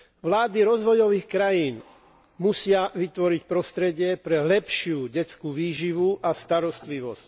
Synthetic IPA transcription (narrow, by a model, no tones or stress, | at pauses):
ʋlaːd̪iɾɔzʋɔjɔʋiːxkɾajiːn | musɪaʋit̪ʋɔɾicpɾɔst̪ɾɛɟɪɛpɾɛlɛpʃɪuːɟɛt͡skuːʋiːʒiʋuʔast̪aɾɔst̪liʋɔsc